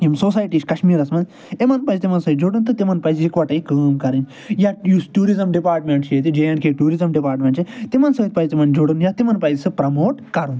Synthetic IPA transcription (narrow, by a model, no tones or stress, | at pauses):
jimsoːsaːjʈiːʃkɐʃmiːɾɐsmɐn | emɐnpɐjsʲt̪ʲimɐnsɐd͡ʒoɽɨnt̪ɨt̪emɐnpɐjsikʋɐʈɐikəːmkɐɾinʲ | jajusʈuːɾizɐmɖipaːɾʈmeɳʈt͡ʃeːt̪id͡ʒejɐɳkʰeʈuːɾizɐmɖipaːɾʈmʲeɳʈt͡ʃʰet̪imɐnsɐt̪̚ʲpɐsʲt̪imɐnd͡ʒoɽunjat̪imɐnpɐjzʲsɨpɾɐmoːʈkɐɾun